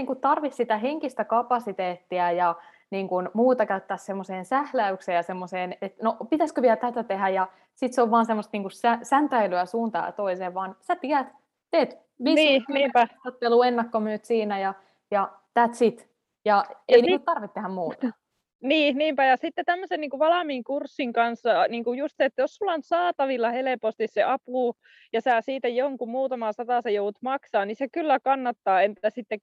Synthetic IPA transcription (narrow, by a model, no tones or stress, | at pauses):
iːŋkutt̪ɑrʋissit̪æɦeŋkist̪ækɑpɑsit̪eːt̪ːiɑjɑ | niːŋkunmuːt̪ɑkæyt̪ːæːssemːoseːnsæhlæykseːjɑsemːoseːnet̪nopit̪æskøʋiɛlt̪æt̪æt̪eɦhæjɑ | sit̪seoʋʋɑːnsemːost̪niːŋkusæsænt̪æilyæsuːnt̪ɑ̰ːjɑ̰t̪oiseːʋʋɑːnsæt̪iæt̪ | t̪eːt̪ | ʋinniːæot̪ːeluenːɑkːomyøt̪siːnæjɑ | jɑ | t̪æːt̪sit̪ | jɑeɑinit̪ɑrʋit̪t̪ːehæmmuːt̪ɑ | niːniːmpæjɑsit̪ːet̪æmːøsenniːŋkuʋɑlɑmiːŋkursːiŋkɑnsːɑniːŋkujust̪seet̪ːæjossulːɑonsɑːt̪ɑʋilːɑhelepost̪isseʔɑpuˑ | jɑsæːsiːt̪æjoŋkummuːt̪ɑmɑsɑt̪ɑˑsejouut̪mɑksɑːnnisekylːækɑnːɑt̪ːɑːent̪æsit̪ːe